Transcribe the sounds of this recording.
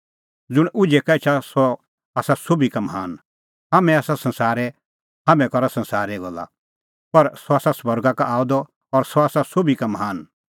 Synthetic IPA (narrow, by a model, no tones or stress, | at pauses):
d͡zʊɽ̃ʊd͡ʒɛkaɪt͡ʃʰasɔ | aːsasobikamɐɦaːn | ɦamɛ̃aːsasɐ̃nsaːɾɛ | haːmɛ̃kɔɾasɐ̃nsaːɾɛɡɔla̰ | pɐɾsɔaːsasbɔɾɡakaʔaːʊd̪ɔ | ɔɾsɔaːsasobikamɐɦaːn